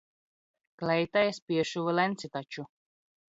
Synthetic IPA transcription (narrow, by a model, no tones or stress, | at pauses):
klɛjt̪ajaspʲiɛʃuvɨlɛnt̪sit̪at͡ʃu